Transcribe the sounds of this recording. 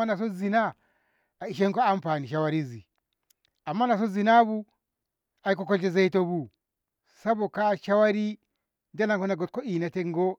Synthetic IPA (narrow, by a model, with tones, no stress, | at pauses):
a˦na˨s̬o˦zi˨na˦ | a˨i˨ʃe˦ŋko˦a˦m˦pa˨ni˨ʃa˦wa˦ɾi˦zi˨ | a˨mːa˦na˨s̬o˦zi˨na˦βu˦ | a˨i˦ko˦kɔ˦d͡ʒe˨ze˦i˦to˦βu˨ | sa˦βo˨ka˦ʃa˦wa˦ɾi˦ | nda˦na˨ŋko˦na˨ɡɔ˨t̚kɔ˦i˨na˨te˦ŋ˦ɡɔ˦